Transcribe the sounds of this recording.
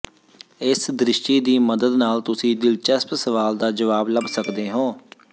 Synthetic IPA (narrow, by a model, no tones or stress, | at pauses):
ɪsd̪ɾɪʃʈiːd̪iːməd̪əd̪naːlt̪ʊsĩːd̪ɪlt͡ʃəspsəʋaːld̪aːd͡ʒəʋaːbləbsəkd̪eːɦõː